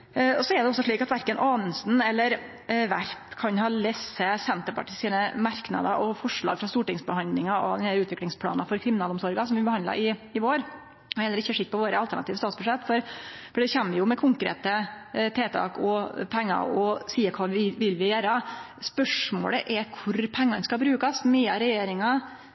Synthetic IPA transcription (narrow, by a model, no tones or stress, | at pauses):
ɔsɔɛɖ̪ɛɔsːɔʂɭiːkɑt̪ʋæɾkənʔɑːnəsnɛlːəɾ | ʋæɾpkʰɑnhɑːlɛsːəsɛnt̪əɾpʰɑ̰ʈɪsiːnəmɑɾknɑ̰d̪ə̰ʔɔfɔʂɭɑ̰ːɡfɾɑst̪uːʈɪŋsbəhɑnd̪lɪŋɑɔ̰d̪ɛnælʉːt̪ʋɪklɪŋspʰlɑ̰ːnɑfɔɾkʰɾɪmɪnɑːlɔmsɔɾɡɑsɔmʋɪbəhɑnd̪ɑ̰ɾʔɪɪʋoːɾ | hɛnɾɪçːəʂɪk̪̚ːpɔʋoːɾəɑlt̪ʰæɳɑt̪iːʋəst̪ɑːt̪sbʉʂɛt̪ːfɔɾfɔɖɛçɛmːəɾjʊmɛkʰʊŋkɾḛːt̪ət̪ʰeːt̪ʰɑ̰ːkɔpʰɛŋːɑ̰ɾɔsiːəkʰɑːʋɪʋɪlːʋɪjæːɾə | spœʂmo̰ːləʔɛkʰʊɾpʰɛŋːɑnskɑbɾʉːkɑsmɛɑɾɛjeːɾɪŋɑ